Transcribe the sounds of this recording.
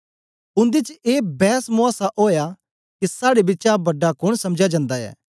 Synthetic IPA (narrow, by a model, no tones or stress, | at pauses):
ʊ̃nd̪ɪt͡ʃeːbɛːsmʊaːsaʔoːja | kisaːɽebɪt͡ʃabɐɖakʊɽ̃sɐmd͡ʒad͡ʒãːnd̪aɛ̰ː